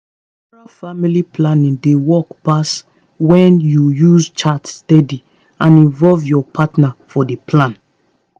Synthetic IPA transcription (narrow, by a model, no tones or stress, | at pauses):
ɔɹafamilipʰlãnĩŋdewɔkpas | wɛ̃njujuzt͡ʃatsːtɛdi | ãnĩnvɔlvjɔpʰatnafɔdepʰlãn